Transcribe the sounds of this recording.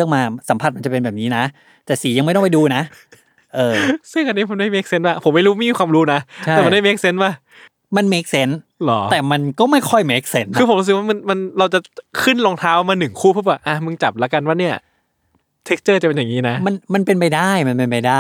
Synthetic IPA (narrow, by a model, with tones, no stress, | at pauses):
əŋmaː˧sa˩˦pʰa˨˩t̪̚ma˧nt͡ɕa˨˩pe˧nbɛː˨˩p̚niː˦˥na˦˥ | t̪ɛː˨˩siː˩˦ja˧ŋm˧˥˩jt̪ɔ˥˩˨pa˧jduː˧na˦˥ʔ | ʔɤː˧sɯ˥˩ŋʔa˧nːiː˦˥pʰa˧nma˥˩jmeː˦˥k̚se˦˥nwaː˥˩pʰo˩˦mːa˥˩jɾu˦˥ma˥˩jmiː˧kwaː˧mɾuː˦˥na˦˥tʰa˥ɛː˨˩m˩a˧˨nda˥˩˨me˦˥k̚se˦˥nwaː˥˩ | ma˧nme˦˥k̚se˦˥nlɔː˩˦t̪ɛː˨˩ma˧nkɔː˥˩ma˥˩jkʰɔ˥˩jme˦˥k̚se˦˥nkʰɯ˧pʰo˩˦ɾu˦˥sɯ˨˩k̚waː˥˩ma˧nma˧nɾa˧wt͡ɕa˨˩kʰɯ˥˩nloː˧ŋt̪ʰaː˦˥wmaː˧nɯ˨˩ŋkʰuː˥˩pʰu˥˩baː˨˩ʔa˧˩mɯ˧ŋt͡ɕa˨˩p̚lɛ˦˥ka˧nwaː˥˩ni˥˩ɐ | t̪ʰe˦˥k̚t͡ɕɤː˥˩t͡ɕa˨˩pe˧njaː˨˩ŋiː˦˥na˦˥ma˧nma˧npe˧npa˧jdaː˥˩jma˧npe˧npa˧jdaː˥˩j